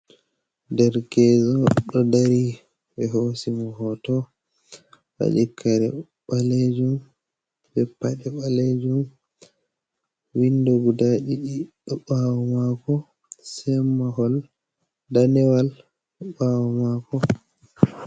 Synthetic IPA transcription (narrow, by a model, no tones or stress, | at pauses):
dɛɾkɛzɔɗɔdaɾi | bɛɦosimɔhɔtɔ | ɓa̰d͡ʒikʰːaɾɛ | ɓaled͡ʒum | bɛpːaɗɛɓaled͡ʒum | windɔɡudaɗiɗiɗɔɓawɔmakɔ | sɛmːahɔl | danɛwal | ɗɔɓawɔmakɔ